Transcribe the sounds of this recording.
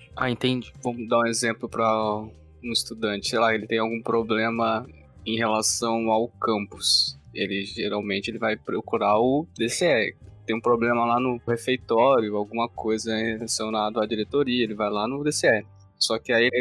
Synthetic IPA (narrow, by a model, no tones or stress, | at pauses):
aẽt̪ẽd͡ʒɪvɐ̃mʊd̪aũezẽmplʊpɾɐ | ũist̪ud̪ɐ̃t͡ʃɪ̥sejlaelɪt̪ẽj̃awɡũpɾoblẽmɐ | ẽj̃ɦelasɐ̃w̃awkɐ̃mpʊselɪʒeɾawmẽnt͡ʃɪelɪvajpɾokuɾaʊd̪eseɛẽj̃ũpɾoblẽmɐlanʊhefejt̪ɔɾjʊawɡũmɐkojzɐẽhelasõw̃nad̪ʊɐd͡ʒiɾet̪oɾiɐelɪvajlanʊd̪eseɛɪ | sɔkɪaieɪ